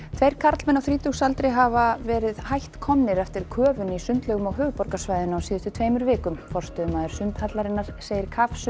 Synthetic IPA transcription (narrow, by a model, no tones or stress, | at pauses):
t̪ʰvejɾ̥kʰaɾt̪lmɛnːawθɾiːt̪uxsalt̪ɾɪjɦavavɛːɾɪðhajht̪kʰɔmnɪɾɛft̪ɪɾ̥kʰœːvʏnisʏnt̪lœːɣʏmawɦœːvʏpɔɾkasvajðɪnɔsiːðɪst̪ʏt̪ʰveːjmʏɾvɪːkʏmfɔr̥st̪œðʏmaːðɪɾ̥sʏnt̪hat̪laɾɪnːaɾ̥seːjɪɾ̥kʰafsʏ